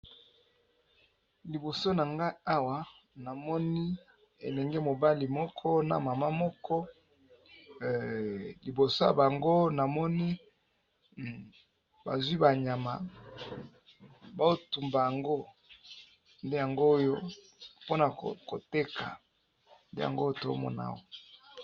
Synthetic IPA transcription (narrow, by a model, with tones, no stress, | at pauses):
li˨bo˨so˦na˨ŋɡa˦i˦a˦wa˨ | na˨mɔ˦ni˦ | ḛ˨lɛ˨ŋɡɛ˦mo˨ba˦li˨mɔ˦kʰɔ˦na̰˨ma˨ma˦mɔ˦kʰɔ˦˨ | li˨bo˨so˦ja̰˨ba˨ŋɡo˦na˨mɔ˦ni˦ | ba̰˨zwi˦ba˨ɲa˨ma̰˨ | ba˦o˦tu˨mba˨ja˨ŋɡo˦ | nde˦ja˨ŋɡoː˦jo˦ | po˦na˨kko˨te˦ka̰˨ | nde˦ja̰˨ŋɡo˦to̰˨˦mɔ̰˦na̰˦wo˦